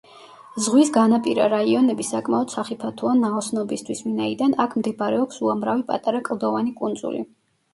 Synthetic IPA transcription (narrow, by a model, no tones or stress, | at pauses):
zʁwisɡanapʼiɾa̰ɾaiɔnɛbisakʼmaɔd̪̥saχipʰat̪ʰuanaɔsnɔbist̪ʰwisvinaid̪anakʰmd̪ɛbɾɛɔksuamɾavipʼa̰t̪ʼaɾakʼlˠd̪ɔvanikʼund̪zṵlḭ